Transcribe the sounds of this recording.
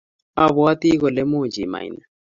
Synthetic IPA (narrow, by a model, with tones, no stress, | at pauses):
a˨βu˨wa˦ti˦kɔ˨lɛ˦mu˦˨d͡ʒḭ˨ma̰˨i˨na˨